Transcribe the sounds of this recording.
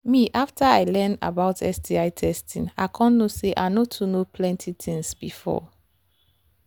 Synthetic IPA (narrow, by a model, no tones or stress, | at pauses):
miʔaftʰaaɪlɛ̃nda̰baʊtʰɛ̰sdiaɪtʰɛstʰĩna̰ɪkʰɔ̃nːoseʔa̰notʰunopʰlɛ̃ntʰit̪ʰĩŋsb̥ifɔ̰